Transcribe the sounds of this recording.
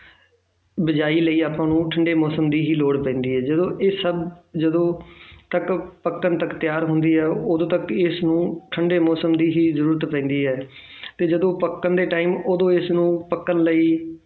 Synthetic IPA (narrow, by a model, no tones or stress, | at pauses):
bɪd͡ʒaːiːləiːaːpãːnũːʈʰəɳɖeːmɔːsəmd̪iːɦiːloːɽpɛ̃ːnd̪iːɦɛːd͡ʒəd̪õːʔɪsəbd͡ʒəd̪õːt̪əkpəkːənt̪əkt̪ɪjaːɾɦʊnd̪iːɦɛːoːd̪õːt̪əkɪsnũːʈʰəɳɖeːmɔːsəmd̪iːɦiːzəɾuːɾət̪pɛ̃ːnd̪iːɦɛː | t̪eːd͡ʒəd̪õːpəkːənd̪eːʈaːiːmoːd̪õːɪsnũːpəkːənləiː